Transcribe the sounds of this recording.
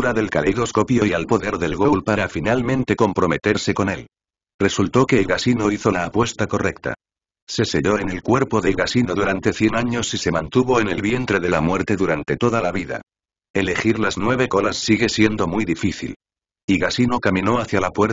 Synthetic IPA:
uɾaðe̞lkaleðo̞sko̞pjo̞ialpo̞ðe̞ɾðe̞lɣolpaɾafinalmẽnt̪e̞ko̞mpɾo̞me̞t̪e̞ɾse̞ko̞ne̞l | re̞sult̪o̞keːlɣasino̞iθo̞laːpwe̞st̪ako̞re̞kt̪a̰ | se̞se̞ʎo̞e̞ne̞lkwe̞ɾpo̞ðe̞lɣasinoðuɾant̪e̞θje̞naɲo̞sise̞mãnt̪uβo̞e̞ne̞lβje̞nt̪ɾe̞ðe̞lamwe̞ɾt̪e̞ðuɾant̪e̞t̪o̞ðalaβiða̰ | e̞le̞xiɾlaznwe̞βe̞ko̞lasːiɣe̞sje̞nd̪o̞mijðifiθḭl | iɣasino̞kamĩno̞aθjalapweɾ

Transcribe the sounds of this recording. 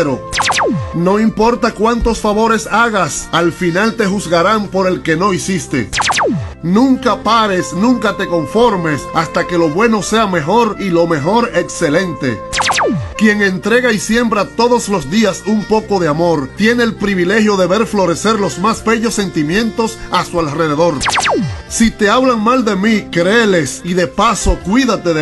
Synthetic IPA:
ɾo | no̞impo̞ɾt̪akwant̪o̞sfaβo̞ɾe̞saɣasalfinalt̪e̞xuzɣaɾampo̞ɾe̞lke̞no̞isist̪e̞̰ | nũŋkapaɾe̞snũŋkat̪e̞ko̞ɱfo̞ɾme̞sast̪ake̞lo̞βwe̞no̞se̞ame̞xo̞ɾilo̞me̞xo̞ɾe̞kse̞lẽ̞nt̪e̞̰ | kje̞ŋe̞nt̪ɾe̞ɣaisje̞mbɾat̪o̞ðo̞slo̞sd̪iasumpo̞ko̞ðe̞amo̞ɾt̪je̞ne̞ːlpɾiβ̞ile̞hjo̞ðe̞βe̞ɾflo̞ɾe̞se̞ɾlo̞smasbe̞ʝo̞sːe̞nt̪imjẽ̞nt̪o̞sasualre̞ðe̞ðo̞ɾ | sit̪e̞aβlaŋmald̪e̞mikɾe̞le̞siðe̞paso̞kwiðat̪e̞e

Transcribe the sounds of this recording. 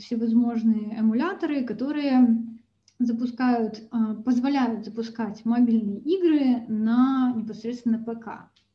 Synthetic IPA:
fsʲɪvɐzmo̞ʐnɨjəʔɛmʊlʲat̪əɾɨkɐt̪o̞ɾɨjə | zəpʊskajʊt̪ːpəzvɐlʲæjʊt̪zəpʊskatʲmɐbʲilʲnɨjəʔiɡɾɨnɐnʲɪpɐsɾʲet̪st̪ʲɪnːəpɛka̰

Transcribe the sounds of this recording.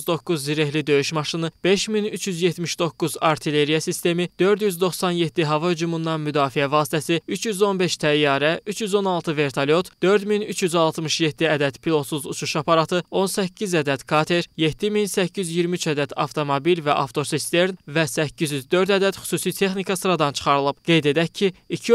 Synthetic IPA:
zd̪o̞kːuzːiɾehlid̪ø̞jyʃmɑʃɯnɯb̥e̞ʃminyt͡ʃʰjyzjet̪miʃd̪o̞kːuzɑɾt̪ʰile̞ɾijɑsist̪e̞mid̪̥ø̞ɾd̪jyzd̪o̞χsɑnjet̪ʰːiɦɑvɑhyd͡ʒumund̪ɑnmyd̪ɑːfiævɑːst̪ʰæsiyt͡ʃʰjyzo̞nbeʃt̪ʰæjːɑːɾæʔyt͡ʃʰjyzo̞nɑlˠt̪ʰɯve̞ɾt̪ʰɑlʲjo̞t̪d̪̥ø̞ɾd̪minyt͡ʃʰjyzɑlˠt̪ʰmɯʃjet̪ːiæd̪æd̪̥pʰilˠo̞t̪suzut͡ʃʰuʃɑpʰɑɾɑt̪ʰɯo̞nsæcʰːizæd̪æd̪kʰɑt̪ʰe̞ɾjet̪ʰːiminsæcʰːyzjiɾmiyt͡ʃæd̪æd̪ɑ̰ft̪ʰo̞mobilvæʔɑ̰ft̪ʰo̞ɾsist̪e̞ɾnvæsæcːizjyzd̪ø̞ɾd̪æd̪æd̪̥xy̥suːsit̪ʰe̞χnikʰɑsɯɾɑd̪ɑnt͡ʃʰɯ̥χɑɾɯlˠɯb̥̚ɡ̥e̞jd̪e̞d̪æcʰːiicʰi

